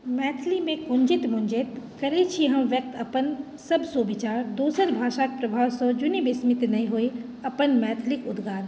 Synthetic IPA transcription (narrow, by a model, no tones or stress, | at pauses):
mɛːt̪ʰlimẽkʊ̃ɲd͡ʒɪt̪mʊ̃ɲd͡ʒɪt̪kɐɾet͡ʃʰiɦɐmʋjɐk̚t̪ɐpən | sɐbsoːbit͡ʃaːɾd̪uːsəɾbʱaːʃaːk̚pɾɐbʱaːwsɔd͡ʒʊnibɪsmɪt̪nɐɦĩɦoi | ɐpənmɛːt̪ʰlɪkʊd̪ɡaːd̪